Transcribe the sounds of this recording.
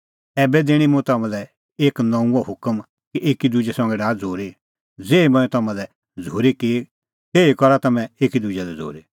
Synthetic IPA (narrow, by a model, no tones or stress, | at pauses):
ɛːbɛd̪ɪɽ̃imũt̪ɐmãlɛ | eːknɐ̃ũɔhʊkəm | kiʔeːkid̪ud͡ʒɛsɔ̃ŋɡɛɖaːd͡zʱoːɾi | d͡zeːimɛ̃ːɛ̃t̪ɐmãlɛ | d͡zʱoːɾiki | t̪eːikɔɾat̪ɐmɛ̃eːkid̪ud͡ʒɛlɛd͡zʱo̰ːɾi